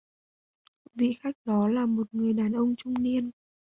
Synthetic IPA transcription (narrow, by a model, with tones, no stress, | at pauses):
vḭ˧˨xa˦˥jk̟̚ɗɔ˨˦laː˨˩mo˨˩t̚ŋɨ˨˩əjɗaː˨˩nʔə˧wŋ͡mt͡ɕʊ˧ŋ͡mni˧ən